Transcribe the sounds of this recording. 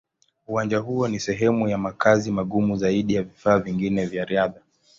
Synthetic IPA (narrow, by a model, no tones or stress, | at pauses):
uwand͡ʒaɦuɔnisɛɦɛmujamakazimaɠumuzaiɗijavifaːviŋɡinɛvjaɾiaða